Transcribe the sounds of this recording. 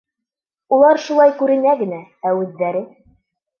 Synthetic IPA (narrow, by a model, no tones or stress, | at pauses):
ulˠɑɾʃulˠɑjkʉɾɘ̆næɡɘ̆nææwʉ̆ðːæɾɘ